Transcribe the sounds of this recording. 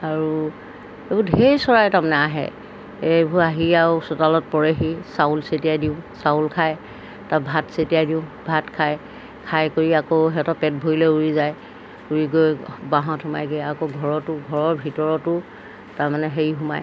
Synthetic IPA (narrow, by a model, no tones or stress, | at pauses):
aɹu | ebudɦejsɔɹajtamanɛaɦɛ̰ | ebʱuaɦiaʊsɔtalɔt̚pɔɹeɦisaʊlsetijajdiʊ̃saulkʰaj | tabʱatsetijajdiʊ̃bʱatkʰaj | kʰajkoɹiakoɦɛtɔpɛt̚bʱoilɛuɹizaj | uɹiɡojbaɦɔ̃tʰʊma̰jɡeakoɡʱɔɹɔtʊɡʱɔɹɔɹbʱitɔɹɔtʊ | taɹmanɛɦeɹiɦuma̰j